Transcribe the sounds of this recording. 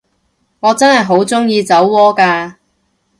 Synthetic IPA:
ŋɔː˨˧t͡sɐ˥nhɐ˨jɦo˨˥wt͡sʊ˥ŋjiː˧t͡sɐ˨˥wːɔː˥kaː˧

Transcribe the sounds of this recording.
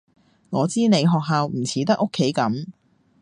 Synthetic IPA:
ŋɔː˨˧t͡siː˥ne˨˧jɦɔː˨k̚ɦaː˨wm̩˨˩t͡sʰiː˨˥t̪ɐ˥k̚ːo˥kʰːe˨˥jkɐ˨˥m

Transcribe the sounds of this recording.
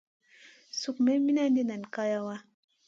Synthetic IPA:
su˨kme˦mi˦na˦ni˦na˨n˨ka˦ja˦wa˦

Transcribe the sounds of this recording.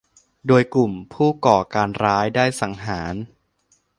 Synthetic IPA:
doː˧jklu˨˩mpʰuː˥˩kɔː˨˩kaː˧nɾaː˦˥jdaː˥˩jsa˩˦ŋɦaː˩˦n

